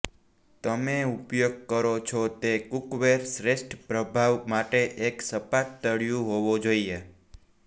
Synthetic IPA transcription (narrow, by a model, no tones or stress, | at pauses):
t̪əmeupjoɡ̚kəɾot͡ʃʰɔt̪ekukʋeɾsɾeʃʈʰpɾəbʱaʋmaʈeʔeksəpat̪̚ːəɭjũɦoʋod͡ʒoie